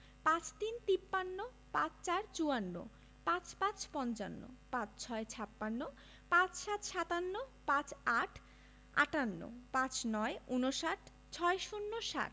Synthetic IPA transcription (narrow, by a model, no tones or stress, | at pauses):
pãt͡ɕt̪int̪ipːanːo | pãt͡ɕt͡ɕaɾt͡ɕuanːo̰ | pãt͡ɕpãt͡ɕpɔnt͡ɕa̰nːo̰pãt͡ɕt͡ɕʰɔet͡ɕʰapːanːo | pãt͡ɕʃat̪ʃat̪anːopãt͡ɕaʈʰ | a̰ʈanːo̰pãt͡ɕnɔeunoʃaʈ | t͡ɕʰɔeʃunːoʃa̰ɾ